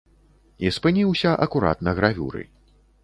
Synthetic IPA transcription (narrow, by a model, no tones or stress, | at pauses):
ispɨnʲiwsʲɐʔɐkuɾa̰t̪nɐɣɾavʲṵɾɨ̰